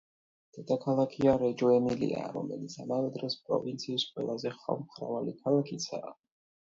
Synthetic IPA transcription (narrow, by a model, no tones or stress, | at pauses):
d̪̥ɛd̪akʰalˠakʰiaɾɛd͡ʒɔɛmilḭa̰ɾɔ̰mɛlit̪sʰamavɛd̪ɾɛspʼɾɔ̰vint̪sʰiːsqʼwɛ̰lˠazɛχa̰vmχɾa̰valikʰalˠakʰit̪sʰa̰ː